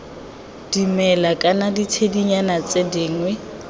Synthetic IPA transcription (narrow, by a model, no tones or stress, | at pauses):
d̥imɛlakʼanaditʰediɲanat͡sʼedɪːŋwɛ